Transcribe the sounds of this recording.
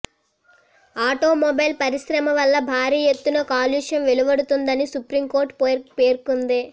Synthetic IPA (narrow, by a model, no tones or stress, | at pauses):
aːʈoːmobɐjlpɐɾisɾɐmɐʋɐlːɐbʱaːɾiːjet̪ːunɐkaːljuːʂɐnʋeluʋɐɽut̪und̪ɐnisupɾimko̞ːɾʈppeːɾkund̪eː